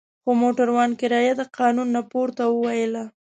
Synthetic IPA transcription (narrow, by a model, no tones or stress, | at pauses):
xomoʈaɾwɑnkɪɾɑjad̪əqɑnunːapoɾt̪awəwajəla